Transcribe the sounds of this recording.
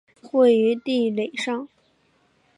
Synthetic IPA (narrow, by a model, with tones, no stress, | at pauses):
xwe˥˩ɪy˧˥t̪i˥˩le˨˩ɪʂɑ˥˩ŋ